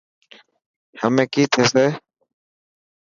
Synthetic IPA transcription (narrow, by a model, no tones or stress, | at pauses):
həmẽkit̪ʰese